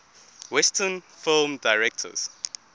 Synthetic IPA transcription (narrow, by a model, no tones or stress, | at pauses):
wɛstʰənfilmdajɹɛk̚tʰə̰z̥